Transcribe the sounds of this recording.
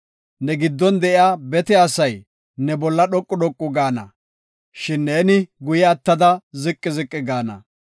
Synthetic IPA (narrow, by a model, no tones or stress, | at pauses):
nɛɡɪd̪ːɔnd̪ɛʔɪaːbɛt̪ɛasɐj | nɛbɔlːɐɗɔkʼːʊɗɔkʼːʊɡaːnɐ̰ | ʃɪnːeːnɪɡʊjɛɐt̪ːɐd̪ɐzɪkʼːɪzɪkʼːɪɡaːnɐ̰